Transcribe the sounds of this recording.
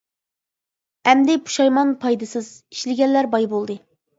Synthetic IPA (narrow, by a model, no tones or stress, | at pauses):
ɛmd̪ɪpʰu̥ʃɑjmɑnpʰɑjd̪ɨsɨz̥i̥ʃlɪɡʲɛnlæɾbɑjbolˠd̪ɨ